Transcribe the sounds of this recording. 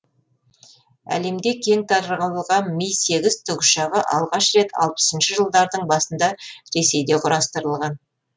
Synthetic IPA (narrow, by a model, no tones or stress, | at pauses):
æ̰le̞md̪e̞kʲʰe̞ŋt̪ʰɑɾəɾʁɑwəlˠʁɑnmijse̞ɡʲɪzt̪ʰʏɡʃɑʁəʔɑ̰lˠʁɑʃɾe̞t̪ɑ̰lˠpə̥sənʃəʒəlˠd̪ɑɾd̪əɴbɑsənd̪ɑɾe̞se̞jd̪e̞qʰʊɾɑst̪əɾəlˠʁɑn